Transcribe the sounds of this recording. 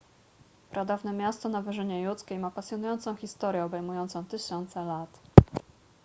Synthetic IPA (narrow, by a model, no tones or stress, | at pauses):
pɾad̪avnɛmʲjast̪ɔnavɘʐɘɲɛjut̪skʲejmapasʲjɔnujɔnt̪sɔ̃w̃xʲist̪ɔɾjɛɔbɛjmujɔnt̪sɔ̃w̃t̪ɘɕɔnt̪sɛlat̪